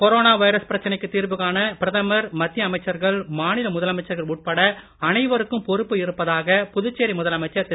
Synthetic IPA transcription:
kɔɾoːnaːʋɐɪɾɐspɪɾɐt͡ʃːɐnɐɪkːɯt̪ːiːɾbɯɣaːnɐpɪɾɐðɐmɐɾmɐt̪ːiɐmɐɪt͡ʃːɐɾɣɐɭmaːnɪlɐmʊðɐlɐmɐɪt͡ʃːɐɾɣɐɭuːʈ̚pɐɽɐ | ɐnɐɪʋɐɾɯkːɯmpɔɾɯpːɯɪɾɯpːɐðaːɣɐpʊðɯt͡ʃːeːɾimʊðɐlɐmɐɪt͡ʃːɐɾt̪

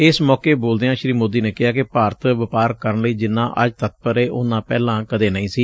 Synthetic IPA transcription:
ɪsmɔːkeːboːld̪eːãːʃɾiːmoːd̪iːneːkɪɦaːkɪpaːɾət̪ʋɪpaːɾkəɾənləiːd͡ʒɪnːãːʔəd͡ʒt̪ət̪̚pəɾeːʔʊnːãːpɛːlãːkəd̪eːnəĩːsiː

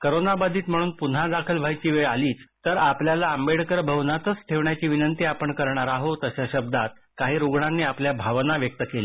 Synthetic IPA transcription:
kəɾonabad̪ʱiːt̪m̤əɽ̃uːnpun̤ad̪akʰəlʋ̤ʱajt͡ɕiːʋeɭaliːt͡st̪əɾapljalaːmbeɽkəɾbʱəʋnat̪ət͡sʈʰeʋɳjat͡ɕiːʋinənt̪iːapəɳkəɾɳaɾaɦot̪əɕjaɕəb̚d̪at̪̚ | kaɦiːɾuɡɳãnːiːapljabʱaʋnaʋjək̚t̪əkeliː

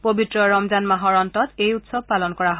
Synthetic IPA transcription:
pobitɹɔɹɔmzanmaɦɔɹɔntɔtejutsɔb̚palɔnkɔɹaɦ

